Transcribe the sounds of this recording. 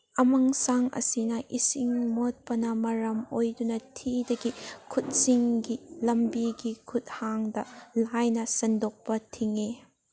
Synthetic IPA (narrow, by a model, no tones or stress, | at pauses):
ɐmɐŋsaŋʔɐ̰sinɐʔisiŋmot̚pɐnɐmɐɾɐmojdunɐtʰidɐɡikʰut̚siŋɡilɐmbiɡikʰut̚haŋdɐlajnɐsɐndok̚pɐtʰiŋe